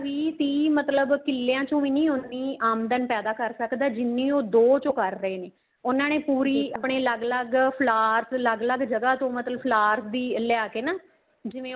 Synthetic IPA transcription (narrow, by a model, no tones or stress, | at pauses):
ʋiːt̪iːmət̪ləbkɪlːejãːt͡ʃõːʋiːnĩːʊnːĩːaːmd̪ənpɛːd̪aːkəɾsəkd̪aːd͡ʒɪnːĩːoːd̪oːt͡ʃõːkəɾːəeːneː | ʊnãːneːpuːɾiːəpɳeːləɡləɡpʰlaːɾt̪ləɡləɡd͡ʒəɡaːt̪õːmət̪ləbpʰlaːɾt̪d̪iːljaːkeːnaː | d͡ʒɪʋẽː